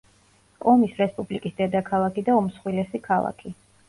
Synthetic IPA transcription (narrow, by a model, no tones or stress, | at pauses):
kʼɔmisɾɛspʼublikʼisd̪ɛd̪akʰalˠakid̪aɔmsχwilɛsikʰalˠa̰kʰi